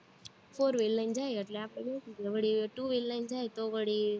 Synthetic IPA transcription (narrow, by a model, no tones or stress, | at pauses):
fʰoːɾʋelːənd͡ʒajəʈleapə̃ekid͡ʒeʋəɽiʈuːʋelnənd͡ʒajt̪oʋəɽi